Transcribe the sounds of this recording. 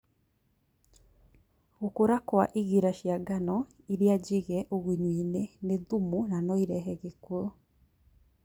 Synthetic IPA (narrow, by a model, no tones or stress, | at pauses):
ɣokoɾakwaʔiɣiɾaʃjaɡanɔ | iɾiad͡ʒiɣɛʔoɣiɲwiːneneðumunanɔiɾɛɦɛɣekuo